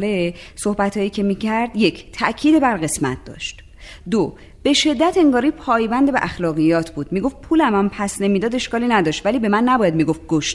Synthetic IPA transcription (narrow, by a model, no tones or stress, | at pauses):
leso̞hbæt̪ʰhɒːjiːcʰe̞miːcʰæɾd̪je̞cʰt̪ʰæʔcʰiːd̪ebæɾɣe̞smæ̰t̪̚ʰd̪ɒ̰ːʃt̪ | d̪o | b̥e̞ʃe̞d̪ːæt̪ʰe̞ŋɡɒːɾiːpʰɒːjbænd̪ebeʔæxlɒːɣijɒːt̪ʰbuːd̪̥miːɡo̞ft̪̚pʰuːlæmæmpʰæsne̞mid̪ɒːd̪e̞ʃkɒːliːnæd̪ɒːʃt̪væliːbe̞mænːæbɒːjæd̪miːɡo̞f̚ɡoʃt̪